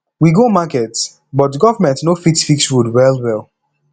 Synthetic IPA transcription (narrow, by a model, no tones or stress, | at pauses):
wiɡomakɛt | bɔt̚dɡɔvəmɛ̃ntnofitfikswudwɛlˠwɛlˠ